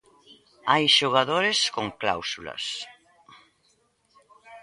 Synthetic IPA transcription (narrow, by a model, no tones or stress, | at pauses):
ajʃoɣ̞aðoɾeskoŋkla̰wsulɐ̰s